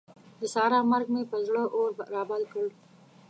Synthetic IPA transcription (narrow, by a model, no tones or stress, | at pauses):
d̪əsɑɾɑmaɾɡ̚mepəzɽəʔoɾɾɑbalkəɽ